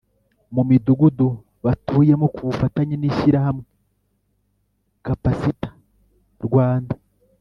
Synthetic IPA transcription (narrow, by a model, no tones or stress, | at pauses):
mumiduɡudu | βatuːje̞mokuβufataɲeniʃiɾahamŋe̞ | kapasitḁ | ɾɡwaːnda